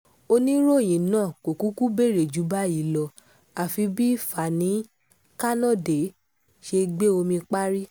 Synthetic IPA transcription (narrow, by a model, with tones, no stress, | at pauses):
o˧nĩ˦ɾo˦˨j̃ĩ˨nãː˦˨ko˨ku˨˦ku˦be˦˨ɾe˨d͡ʒu˨˦ba˦i˨˦˨lɔ˧ | a˨fi˧bi˦fa˨nĩ˨˦ | ka˦nɔ̃˦˨de˨ | ʃe˧ɡ͡be˦o˧mĩ˧k͡pa˦ɾi˦